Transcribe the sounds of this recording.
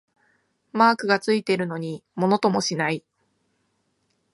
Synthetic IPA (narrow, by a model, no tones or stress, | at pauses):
maːkɯ̟ɡat͡sɨit̪e̞ɾɯ̟no̞ɲ̟imo̞no̞t̪o̞mo̞ɕinai